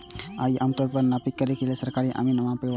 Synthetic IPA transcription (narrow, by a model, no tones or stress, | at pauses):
aiʔamt̪ɔɾpəɾnapikːəɾekilesəɾkaɾiʔa̰minɐmãpeʋ